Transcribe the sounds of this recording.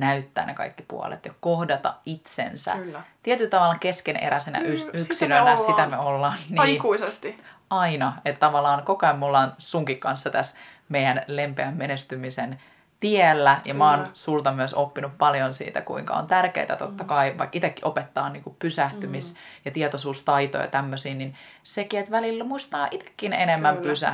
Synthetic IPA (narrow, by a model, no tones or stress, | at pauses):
næyt̪ːæ̰ːnekɑ̰ikːi̥pṵo̰lḛt̪jɑko̞hdɑt̪ɑ̰it̪sḛnsæ̰t̪iet̪ylt̪ɑʋɑlːɑke̞skenʔḛɾæsenæ̰yyksinønæsit̪æmeolːɑːnːikuisest̪iɑinɑet̪t̪ɑʋɑlːˑɑːnkokɑimːolːɑːnsuŋkikːɑnsːɑt̪æs | mejænle̞mpeæmːenest̪ymisen | t̪ielːæjɑmɑːnsult̪ɑmyøsopːinuppɑljonsḭːt̪æ̰kṵiŋkɑ̰ont̪ærkḛit̪æt̪o̰t̪ːɑkɑiʋɑ̰ikːit̪ekːiʔopet̪ːɑːnniːŋkuppysæht̪ymisjɑt̪iet̪osuːst̪ɑit̪o̰jɑ̰t̪æmːøsiːnin | sekiet̪ʋælilːmuist̪ɑːʔit̪e̥kːinenemːæmpysæ̰